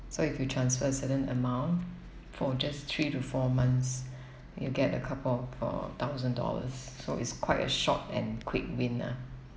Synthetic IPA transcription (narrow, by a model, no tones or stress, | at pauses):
soɪfjutʰɹãnsfəəsəɾə̃nəmãʊ̃nt | fɔd͡ʒast̪ʰɹitufɔmãnθs | jṵɡɛtə̰kʰapəlfɔ̰t̪ʰaʊzə̃ndɔ̰lə̰sːoɪ̰tskʰwaɪtə̰ʃɔ̰tɛ̰̃nkʰwɪk̚wɪ̃na̰